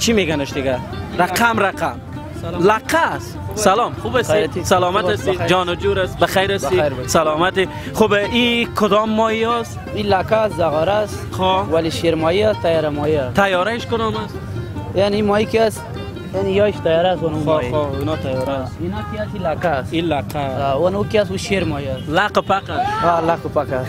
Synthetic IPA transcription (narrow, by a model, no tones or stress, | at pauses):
t͡ʃʰimeɡanʊʃd̪ɪɡaɾaamɾaqam | laqʰːas | salɔmxubasit̪salɔmaast̪id͡ʒɔnɔd͡ʒuɾasbaxajɾast̪iɾsalɔːmat̪i | χubikʰʊd̪ɔmːɔiɔs | ilakaszaɣɔɾas | χowaliʃeɾmɔiast̪ajɔɾamɔiast̪ʰajɔɾaɪʃkʊd̪ɔmas | janiimɔikias | janijɔiʃt̪ajɔɾaswonɔɔinɔt̪ajɔɾasinɔkiasilaqasilaqʰawanukiasuʃeɾmɔiaslaqopaqasalaqʊpaqas